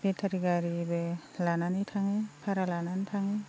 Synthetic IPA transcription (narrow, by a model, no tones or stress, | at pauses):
betʰaɾiɡaɾibe | lananitʰaŋepʰaɾalanantʰaŋe